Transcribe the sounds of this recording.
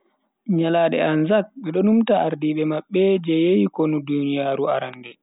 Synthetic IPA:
ɲalaːɗɛ̰anzak̚ɓɛɗɔnumtaʔaɾdiːɓɛmaɓːɛd͡ʒɛjejikonudunijaːɾua̰ɾandɛ

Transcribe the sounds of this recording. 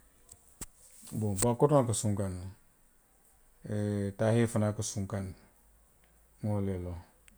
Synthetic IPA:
bobakotakasuŋkan | etahefanakasuŋkan | ŋolelo

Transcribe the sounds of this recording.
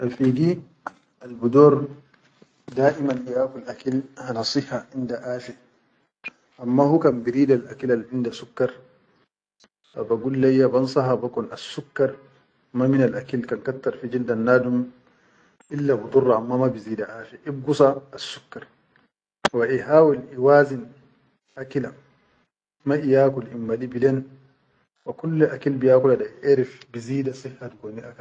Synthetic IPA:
ʔafiɡi | ʔalbud̪ɔɾ | daːʔimanjaːkulʔakilhanasˤiħaʕɪndaʔaːfɛ | ʔamːahukanbiɾiːdalʔakilalʕɪndasukːaɾˤ | fabaɡulːajːabansɑɦabakɔnasːukːaɾˤ | maminalʔakilkankat̪ːaɾˤfid͡ʒindanːaːdum | ʔilːabut̪urˤːaʔamːamabiziːdaʔaːfɛʔib̚ɡusaːsːukːaɾ | waʔihaːwilʔiwaːzin | ʔakila | maʔijaːkulʔimːalibilɛn | wakulːʔakilbijaːkuladaʔeɾifbiziːdasihːatɡɔniʔaka

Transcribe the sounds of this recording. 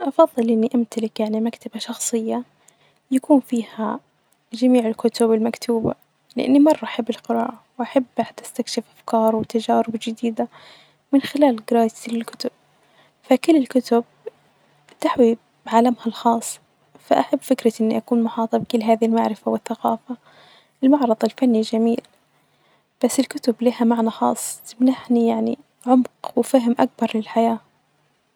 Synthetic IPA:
ʔɑfɑðˤːɨlʔɪnːiʔamt̪alɪkjaʕnimakt̪ʰabaʃɑxsˤɨjːa | jakuːnfiːha | d͡ʒamiːʕɪlkʊt̪ʊbɪlmakt̪ʰuːba̰ | lɪʔa̰nːimɑrˤːɑʔaħabːɪlqɪɾɑːʔawʔaħabːʔat̪ʔast̪akʃɪfʔafkɑːɾˤwɪt̪ad͡ʒaːɾɪbd͡ʒɪd̪iːd̪a | mɪnxɪlaːlɡɾɑːjɪ̥slɪlkʊ̥t̪ʊb̥̚ | fakʊlːɪlkʊt̪ʊb̚ | t̪aħwi | ʕalamhalxɑːsˤː | faʔaħabːfɪkɾaʔɪnːiʔakuːnmʊħɑːt̪ˤɑbkʊlːɦaːðilmaʕɾɪfawɪθːaqɑːfa | ʔɪlmɑʕɾˤɨðˤɪlfanːid͡ʒamiːl | b̥asːɪlkʊt̪ʊbliːhamaʕnaxɑ̰ːsˤːt̪ɪmnaħnijaʕnḭ | ʕʊmqwɪfaɦmʔak̚bɑɾˤlɪlħajaː

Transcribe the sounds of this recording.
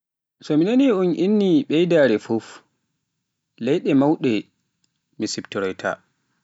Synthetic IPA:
sɔminaniunʔinːiɓɛjdaːɾɛfof | lɛjɗɛmawɗɛ | misibtɾɔjtʰa̰

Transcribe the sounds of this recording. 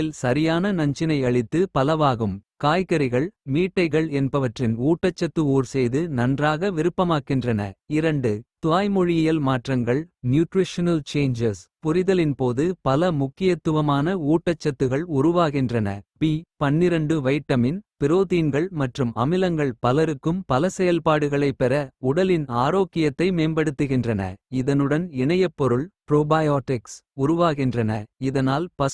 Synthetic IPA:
ɪlsɐɾɪjaːnɐnɐɲd͡ʒɪnɐɪɐɭɪt̪ːɯpɐlɐʋaːɣɯmkaːjkɐɾɪɣɐɭmiːʈːɐɪɣɐɭɛnbɐʋɐʈrɪnuːʈːɐt͡ʃːɐt̪ːɯuːɾsɛjðɯnɐndraːɣɐʋɪɾɯpːɐmaːkːɪndrɐnɐ̰ɪɾɐɳɖɯt̪ʊʋaːjmɔɻɪjɪjɐlmaːʈrɐŋɡɐɭnjuːʈrɪʂɐnɐlt͡ʃeːɲd͡ʒɐspʊɾɪðɐlɪnpoːðɯpɐlɐmʊkːɪjɐt̪ːɯʋɐmaːnɐuːʈːɐt͡ʃːɐt̪ːɯɣɐɭʊɾʊʋaːɣɪndrɐnɐ̰piːpɐnːɪɾɐɳɖɯʋɐɪʈːɐmɪnpɪɾoːðiːnɡɐɭmɐʈrɯmɐ̰mɪlɐŋɡɐɭpɐlɐɾɯkːɯmpɐlɐsɛjɐlpaːɽɯɣɐɭɐɪpːɛɾɐʊɽɐlɪnaːɾoːkːɪjɐt̪ːɐɪmeːmbɐɽɯt̪ːɯɣɪndrɐnɐ̰ɪðɐnɯɽɐnɪɳɐjɐpːɔɾɯɭpɪɾoːbaːjaːʈːɪks | ʊɾʊʋaːɣɪndrɐnɐɪðɐnaːlpɐ

